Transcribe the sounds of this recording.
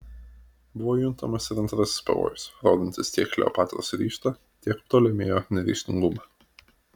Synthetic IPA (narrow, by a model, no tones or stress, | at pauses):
bʊʋoːjʊnˑt̪ɐmɐsɪɾɐnt̪ɾɐsʲɪ̥spɐ̰ʋo̰ːjʊsɾo̰ːd̪ʲɪnt̪ʲɪst̪ʲiɛklʲɛ̰ːpɑːt̪ɾo̰ːsɾʲiːʃt̪ɐ | t̪ʲiɛkt̪oːlʲɛmʲeːjoːnʲɛɾʲḭʃʲt̪ʲɪ̰ŋɡʊmɑ